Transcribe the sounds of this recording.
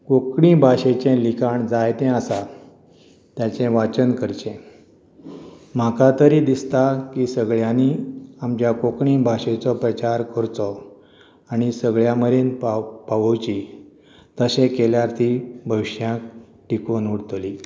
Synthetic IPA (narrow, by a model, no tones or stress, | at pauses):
kokɳĩbʱaɕet͡ɕẽlikaɳd͡zajt̪ɛ̃asa | t̪jat͡sẽʋat͡ɕənkəɾt͡ɕẽ | m̤akat̪əɾid̪ist̪akiːsəɡɭjãniamt͡ɕjakokɳĩbʱaɕẽt͡sɔpɾət͡ɕaɾkəɾt̪ɔ | aɽ̃isəɡɭjaməɾenpapaʋəwt͡ɕi | t̪əsẽkeljaɾt̪ʰibʱəʋɕjãk | ʈikonuɽt̪li